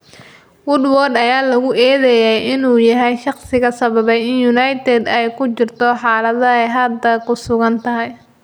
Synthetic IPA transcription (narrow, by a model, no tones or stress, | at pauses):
wʊd̪wɔrd̪ɐjaːlɐɣʊʔɛːðɛjɛjʔɪnuːjɐɦɛjʃɑχsɪɣɐsɐβɐβɛjɪnjʊnɑjt̪ʰɛd̪ɛjkʰʊt͡ʃɪrt̪ʰɔħɑːlɐðɐɛjɦɐd̪ɐkʰʊsʊɣɐnt̪ʰɐɦɛj